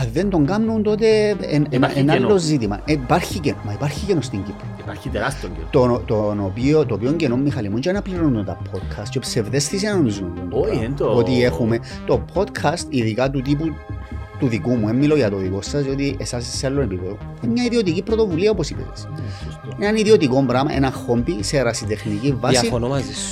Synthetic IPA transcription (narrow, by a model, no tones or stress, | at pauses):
ɐðend̪o̞ŋɡɐmnunt̪o̞t̪̬enenenalːo̞zit̪imɐ̰ʔepaɾçicenmɐipaɾçicenost̪iɲɟipːoiaɾit̪eɾast̪ioŋt̪ot̪onopiot̪oːpio̞ɲɟenomːixɐlimunt͡ʃenɐpliɾonund̪ont̪ɐ̰pʰod̪kʰɐst̪t͡ʃepse̞vðe̞sθisinɐnonizmenond̪not̪iexume | t̪o̞pʰo̞d̪kʰɐst̪iðikɐt̪ut̪̬ip̬ut̪uðikumue̞mːilo̞ʝɐt̪o̞ðiko̞sːɐsio̞t̪iesɐseselːonepipeðo | emɲɐiðio̞t̪icipɾo̞t̪o̞vuliɐoposipḭɾɐss | enɐniðio̞t̪iko̞mbɾamɐ̰ʔe̞̰nɐxo̞mbise̞ɾasit̪e̞xnicivːasifonomɐzi